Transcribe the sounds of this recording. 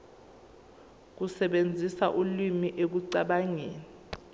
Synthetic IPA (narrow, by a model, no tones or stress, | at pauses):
k̬usɛɓend͡zʱisaʔulwimiʔek̬uǀaɓaŋeːni